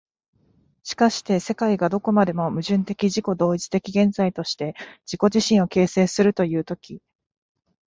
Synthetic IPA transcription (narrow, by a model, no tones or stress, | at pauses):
ɕi̥kaɕi̥t̪e̞se̞kaiɡad̪o̞ko̞mad̪e̞mo̞mɯ̟ʑɨ̃nt̪e̞kʲiʑiko̞d̪o̞ːit͡ɕi̥t̪e̞kʲiɡẽ̞nzait̪o̞ɕi̥t̪e̞d͡ʑiko̞ʑiɕĩɰ̃o̞ke̞ːse̞ːsɨɾɯ̟t̪o̞jɯ̟ːt̪o̞kʲi